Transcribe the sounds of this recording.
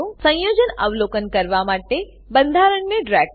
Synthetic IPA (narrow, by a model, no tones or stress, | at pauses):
ũsə̃jod͡ʒənəʋlokənkəɾʋamaʈe | bənd̪ʱaɾəɳːeɖɾɛɡ